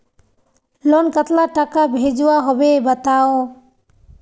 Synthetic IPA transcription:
lɔnkət̪laʈakabʱed͡ʒuwaɦɔbebət̪awo

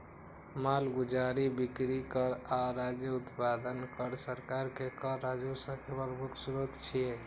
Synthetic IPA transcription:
malɡud͡ʒaɾibikɾikəɾaɾad͡ʒjəut̪pad̪ənkəɾsəɾkaɾkekəɾad͡ʒusə̃kebəɾbʱuksuɾot̪t͡ʃʰije

